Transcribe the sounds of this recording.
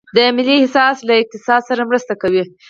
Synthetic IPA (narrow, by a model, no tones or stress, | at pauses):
d̪əmɪlːihsɑslaɪq̚t̪ɪsɑd̪saɾamɾəst̪akawi